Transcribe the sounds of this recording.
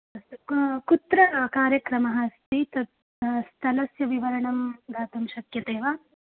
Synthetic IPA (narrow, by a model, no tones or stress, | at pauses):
kut̪ɾɐkaːɾjɐkɾɐmɐɦɐst̪it̪ɐ | st̪ʰɐlɐsjɐʋiʋɐɾɐɳɐmɡ̪aːt̪ɐmʃɐkjɐt̪eːʋa